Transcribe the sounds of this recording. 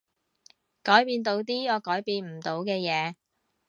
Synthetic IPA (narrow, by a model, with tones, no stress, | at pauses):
kɔː˨˥jpiː˧nt̪̬o˨˧wt̪̬iː˥jɔː˨˧kɔː˨˥jpiː˧nm̩˨˩t̪o˨˧wkɛː˧jɛː˨˧